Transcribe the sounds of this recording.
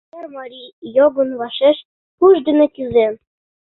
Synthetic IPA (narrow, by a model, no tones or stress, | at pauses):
ermɑɾʲijjoɡɤ̆nβɑʃeʃ | kuʒd̪ɘ̆nɘ̆kyzen